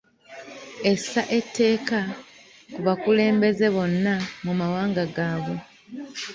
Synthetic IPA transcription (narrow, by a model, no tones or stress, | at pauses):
e̞sːaʔe̞tʰːe̞ːka | kuβakule̞ːmbe̞ze̞βo̞nːamumawaːŋɡaɡaːβo̞